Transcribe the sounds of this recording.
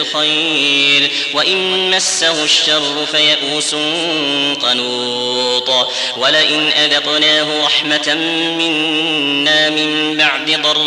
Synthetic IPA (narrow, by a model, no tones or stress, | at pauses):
lxajɾ | waʔɪnmasːahʊʃːɑrˤːʊfajaʔuːsʊn | qɑnuː | t̪ˤ | walaʔɪnʔad̪ɑq̪naːɦʊɾˤɑħmat | mɪnː | aːmɪmbaʕd̪ɪd̪ˤɑɾˤ